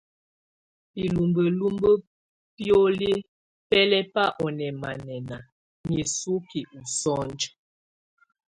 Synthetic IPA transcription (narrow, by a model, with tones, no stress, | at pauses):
pi˨lu˨mbə˨lu˦mbə˦ | pjo˦le˦ | pɛ˦lɛ˦pa˦ʔɔ˨nɛ˨ma˨nɛ˨na˨ | ɲi˨su˦ki˨u˨sɔ˦nd͡ʒə˦